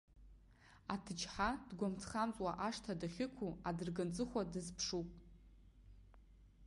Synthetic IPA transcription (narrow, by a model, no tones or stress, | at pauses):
atʰɨt͡ʃħadɡʷamt͡sʰχamt͡sʼwaʔaʂtʰadaχʲɪkʷʰuadɨrɡɨnt͡sʼɨχʷadɨzpʰʂupʼ